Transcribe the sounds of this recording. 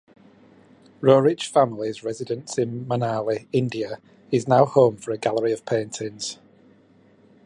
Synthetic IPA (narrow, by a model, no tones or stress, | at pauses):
ɹoːɹɪ̥t͡ʃfãmlɪzɹɛzɪdə̃nsɪ̃nmənaːlɪɪ̃ndiə | ɪznaʊhõʊ̃ɱfəɹəɡalˠəɹiəv̥pʰẽɪ̃ntʰɪ̃nz̥